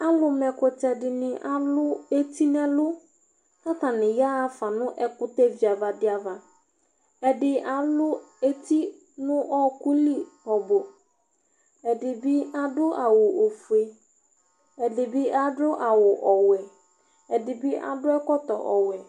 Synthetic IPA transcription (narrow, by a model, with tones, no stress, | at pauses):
a˦lʊ˨mɛ̃˨kʊ˨tɛ˨dɪ˨nɪ̃˨ʔa˨lʊ˦e˦tʰi˦nɛ̃˦lʊ˦ | ka˦tã˨nɪ̃˨ja˦˨fa˨nʊ̃˦ʔɛ˦kʊ˦tɛ˦vi˨a˨va˨dɪ˦a˨va˨ | ɛ˨dɪ˦a˨lʊ˦ɛ˦tʰi˦ | nʊ̃˦ʔɔ˦kʊ˦li˦hɔ˨bo˨ | ɛ˨dɪ˨bɪ˦a˦dʊ˦ʔa˨wʊ˨ʔo˨fu˨e˦ | ɛ˨dɪ˨bɪ˦ʔa˦dʊ˦ʔa˨wʊ˨ʔɔ˨wɛ˨ | ɛ˨dɪ˨bɪ˦ʔa̰˨dʊ˦ɛ˦kɔ˦tɔ̰˨ʔɔ̰˨wɛ˨